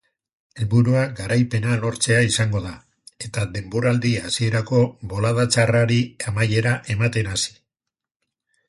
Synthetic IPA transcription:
e̞lβuɾuaɡaɾajpe̞nalo̞ɾt͡se̞aisaŋɡo̞ða | e̞t̪ad̪e̞mbo̞ɾald̪iasie̞ɾako̞βo̞laðat͡saraɾiamaje̞ɾaʔe̞mat̪e̞nasi̥

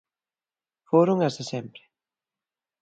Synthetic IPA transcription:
foɾoŋast̪asɛmpɾɪ

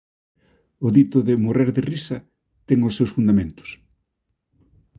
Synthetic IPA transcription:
ʊðit̪ʊðɪmoreɾðɪrisɐ | t̪ɛŋʊsːewsfund̪amẽnt̪ʊ̥s

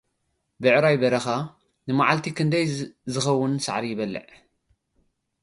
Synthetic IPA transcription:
bɨʕɾajbɐɾɐxa | nɨmaʕalt̪ʰikɨnd̪ɐjzɨxɐwːʊnsa̰ʕɾijɪβɐlːɨ̰ʕ

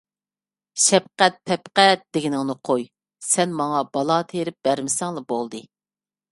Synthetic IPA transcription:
ʃɛp̚qɛt̪̚pʰɛpqɛt̪̚d̪̥eɡʲinɪŋnɨqʰoj | sɛnmɑŋɑbɑlˠɑt̪ʰeɾɪp̚b̥æɾmɪsɛŋlˠɑbolˠd̪ɨ

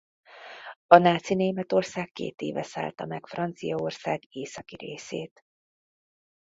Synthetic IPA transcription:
ɒnaːt̪sineːmɛt̪o̞rsaːkːḛːt̪ḛːvɛsa̰ːlt̪ɒmɛkfrɒnt̪sijɒo̞rsaːɡeːsɒkiɾeːseːt̪

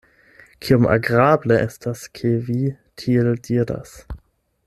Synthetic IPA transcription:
kʰiomʔa̰ɡʁableʔestaskʰevi | tʰieldiɾa̰s

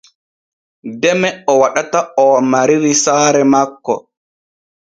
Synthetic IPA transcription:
dɛmɛɔwaɗataɔmaɾiɾisaːɾɛmakːɔ̰

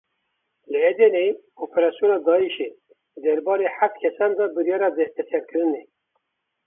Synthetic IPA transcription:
lɨɛd̪ɛne | opʰeɾɑːsijoːnɑːd̪ɑːiʃe | d̪ɛɾbɑːɾeħaft̪̚kʰɛsɑnd̪ɑbɨɾjɑːɾɑd̪ɛst̪ɛsɛɾkɨɾɨnɛ

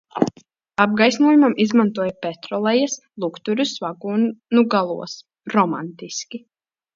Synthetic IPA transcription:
ab̚ɡajsnuɔjumamizmant̪uɔjapɛt̪ɾɔlˠɛjs | lˠukt̪uɾʲusvaɡuːnnuɡalˠṵɔs | ɾɔma̰nt̪iskʲi

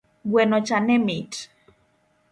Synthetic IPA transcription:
ɡwɛnot͡ʃanɛmit

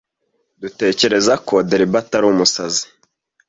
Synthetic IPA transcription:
dute̞ːce̞ɾe̞zakodeɾibataɾumusazi̥

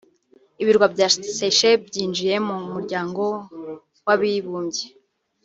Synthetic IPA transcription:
iβiɾɡwabɟaseʃebɟiːnd͡ʒije̞mumuɾɟaːŋɡo̞ | waβiβuːɲɟe

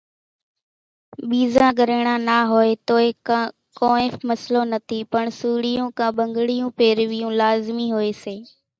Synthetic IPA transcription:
ɓiːzãːɠəɾəɽ̃ãːnaːɦoːeːt̪oːeː | kõːeːfməsloːnət̪ʰiːpəɳsuːɽɪjũːkãːɓə̃ŋɡɽɪjũːpeːɾʋɪjũːlaːzmiːɦoːeːseː

